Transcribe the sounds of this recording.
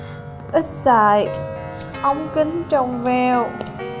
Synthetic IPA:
ʔi˦˥t̚saː˧˩j | ʔə˧˦wŋ͡mki˨˦ŋt͡ɕɔ˧˩wŋ͡mvɛ˧w

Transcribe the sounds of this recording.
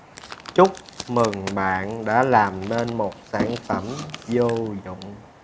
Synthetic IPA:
t͡ɕʊ˦˥k͡p̚mɨ˨˩ŋɓa̰ː˧˨nɗa̰ː˧˥laː˨˩mne˧nmo˨˩t̚saː˧˩nfə˧˩mzo˧zʊ̰˧˨ŋ͡m

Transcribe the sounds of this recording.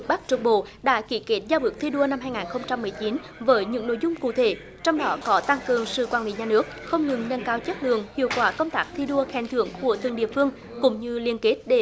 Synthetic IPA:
k̚ɓa˦˥k̚t͡ɕɨ˨˩k̚ɓo̰˧˨ɗa̰ː˧˥ki˧˩ke˦˥t̚zaː˧ɓɨ˨˦˥k̚t̪ʰi˧ɗu˧əna˧mhaː˧jŋaː˨˩nxə˧wŋ͡mt͡ɕa˧mː˨˩əjt͡ɕi˨˦n | vəː˨˦jɲɨ̰˧˥ŋno̰˧˨jzʊ˧ŋ͡mkṵ˧˨t̪ʰe˧˩˦ | t͡ɕɔ˧wŋ͡mɗɔ˨˦kɔ˨˦t̪a˧ŋkɨ˨˩əŋsɨ̰˧˨kwaː˧˩lḭ˧˨˦ɲaː˨˩nɨ˦˥ək̚xə˧wŋ͡mɲɨ˨˩ŋnə˧nkaː˨˦wt͡ɕə˦˥t̚lɨ̰˧˨əŋhḭ˧˨əwkwaː˧˩kə˧wŋ͡mt̪aː˦˥k̚t̪ʰi˧ɗu˧əxɛ˨˧˩nt̪ʰɨ˧˩əŋku˧˩ət̪ɨ˨˧˨ŋɗḭ˧˨əfɨ˧əŋ | kʊ̰˧˥ŋ͡mɲɨ˧li˧ənke˦˥t̚ɗe˧˩

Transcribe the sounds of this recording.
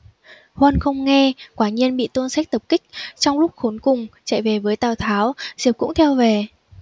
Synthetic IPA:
hwə˧nxə˧wŋ͡mŋɛ˧kwaː˨˩ɲi˧ənɓḭ˧˨t̪o˧nsa˦˥k̚t̪ə˨˩p̚kï˦˥k̟̚t͡ɕɔ˧wŋ͡mlʊ˦˥k͡p̚xo˨˦nkʊ˨˩ŋ͡mt͡ɕa̰˧˨jve˨˩vəː˨˦jt̪aː˨˩wt̪ʰaː˨˦wzi˨˩əp̚kʊ̰˧˥ŋ͡mt̪ʰɛ˧wve˨˩

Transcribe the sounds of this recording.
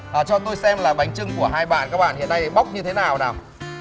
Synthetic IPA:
ʔəː˨˩t͡ɕɔ˧t̪o˧jsɛ˧mlaː˨˩ɓa˨˩jŋ̟t͡ɕɨ˧ŋku˧˩əɦaː˧jɓa̰ː˧˨nkaː˦˥k̚ɓa̰ː˧˨nhḭ˧˨ənːa˧jjɓa˦˥wk͡p̚ɲɨ˧t̪ʰe˨˦naː˨˩wnaː˨˩m

